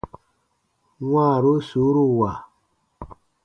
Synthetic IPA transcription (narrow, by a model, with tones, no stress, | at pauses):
ŋwaː˦˨ɾo˦su˨˦ɾu˦wa˨